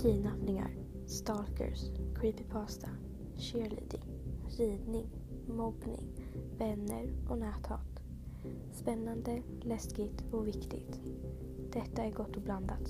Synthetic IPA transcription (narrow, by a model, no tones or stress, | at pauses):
t̪ʰiːnapnɪŋa̰ɾ | st̪ɑːlkə̰ɾskʰɾiːpɪpʰɑːst̪ʰa | ɕeːɭḭːd̪ɪ̰ŋ | ɾiːd̪nɪŋ | mɔpnɪ̰ŋb̥ɛnːəɾʔɔnæːt̪hɑ̰ːt̪ | spɛnːand̪ə | lɛskɪɡt̪ɔvɪkt̪ɪ̰ɡt̪ | d̪̥ɛt̪ːaæɾɡɔt̪ːɔbland̪at̪